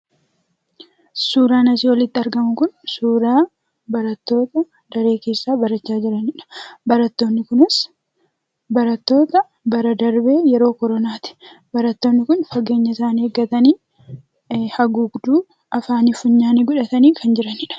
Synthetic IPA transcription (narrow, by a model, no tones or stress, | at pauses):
suːɾaːnɐsiwɔlɪt̪ːɪɐɾɡɐmʊkʊnsuːɾaː | bɐɾɐt̪ːo̞ːt̪ɐ | d̪ɐɾe̞ːke̞ːsːaːbɐɾɐt͡ʃːaːd͡ʒɪɾɐnɪᶑɐ̥bɐɾɐt̪ːo̞ːnːɪkʊnɪs | bɐɾɐt̪ːo̞ːt̪ɐ | bɐɾɐd̪ɐɾbe̞ːjɛɾo̞ːkɔɾɔnaːt̪ɪ̥ | bɐɾɐt̪ːo̞ːnːɪkʊnfɐɡe̞ːɲːɐɪsaːneːɡːɐt̪ɐniː | hɐɡuɡd̪uː | ɐfaːnɪfʊɲːaːniːɡʊᶑɐt̪ɐniːkʰɐnd͡ʒɪɾɐnɪᶑɐ̥